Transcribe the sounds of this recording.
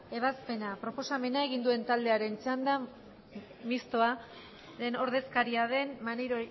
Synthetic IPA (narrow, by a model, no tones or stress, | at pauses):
e̞β̞aspe̞napɾo̞po̞same̞nae̞ɣind̪ue̞nt̪ald̪e̞aɾe̞nt͡sand̪a | mist̪o̞a | ðe̞no̞ɾðe̞skaɾiað̞e̞nmaneɾo